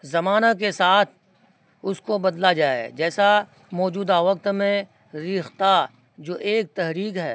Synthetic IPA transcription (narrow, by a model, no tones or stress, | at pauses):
zɐmaːnakesaːt̪ʰ | ʊskobɐd̪lad͡ʒaːḛd͡ʒɛːsa | mɔːd͡ʒuːd̪aʋɐk̚t̪mẽ | ɾiːxt̪a | d͡ʒoːʔeːk̚t̪ɛɦɾiːkɦɛː